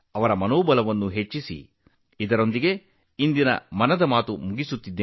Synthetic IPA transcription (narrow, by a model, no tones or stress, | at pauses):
ɐʋɐɾɐmɐnoːbɐlɐʋɐnːuɦe̞t͡ʃːisḭ | id̪ɐɾo̞nd̪iɡe̞ | ind̪inɐ̰mɐnɐd̪ɐmaːt̪umuɡisut̪ːid̪ːeː